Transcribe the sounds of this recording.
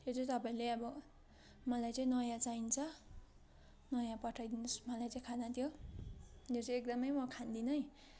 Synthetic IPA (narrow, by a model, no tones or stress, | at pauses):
jet͡sʌt̪ʌpaĩleʌbʌ | mʌlajt͡sʌĩnʌjãt͡saint͡sʰʌ | nʌjãpʌʈʰajd̪inosmʌlajt͡sʌĩkʰanat̪ʰjo | not͡sʌek̚d̪ʌmʌjmʌkʰand̪inʌj